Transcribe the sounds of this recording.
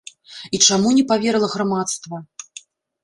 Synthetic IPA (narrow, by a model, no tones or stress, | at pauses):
it͡ʂamunʲɛpavʲɛɾlˠɐɣɾamat̪st̪vɐ